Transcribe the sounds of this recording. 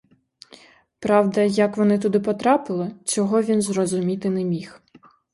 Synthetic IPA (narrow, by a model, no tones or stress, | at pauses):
pɾɑwd̪ɐjɐkʋɔnɪt̪ʊd̪ɪpɔt̪ɾɑpɪlˠɪt͡ʃʲɔɦɔʋʲinzrɔzʊmʲit̪ɪnɛmʲix